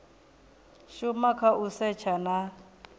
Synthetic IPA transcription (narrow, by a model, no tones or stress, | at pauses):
ʃumakʰaʔusɛt͡ʃʰana